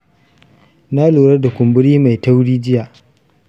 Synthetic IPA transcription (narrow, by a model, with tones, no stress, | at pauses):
naː˦luː˨ɾɐ˦da˨kʷʊ˨mbʊ˦ɽiː˦ma˨jta˦wɽiː˦d͡ʒɪ˦jaː˨ʔ